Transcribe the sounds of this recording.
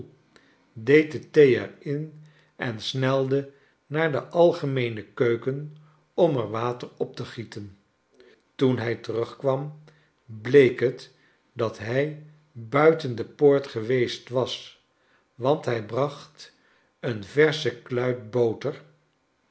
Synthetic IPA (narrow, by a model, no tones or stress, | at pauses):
dejt̚dətejɛ̰ɹɪn | ʔɛnsnɛlˠdə | naːɹdəʔɑlˠχəmejnəkøɥkən | ɔməɹʋaːtəɹɔp̚təχitən | tunɦɛjtərɵχkʋɑm | blejkɦət | dɑtɦɛj | bœɥtəndəpoːɹtχəʋejstʋɑs | ʋɑntɦɛjbrɑχt | ənvɛɹsəklœɥt̚bowtəɹ